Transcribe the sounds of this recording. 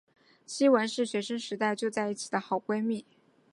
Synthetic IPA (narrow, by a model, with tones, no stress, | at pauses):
ɕi˥wə˧˥nʂɻ̩˥˩ɕɥɛ˧˥ʂɤ˥ŋʂɻ̩˧˥t̪a˥˧ɪt͡ɕjo˥˧ʊt͡sa˥˧ɪi˥˩t͡ɕʰi̥˨˩d̪ə˦xɑ˨˩ʊkwe˥ɪmi˥˩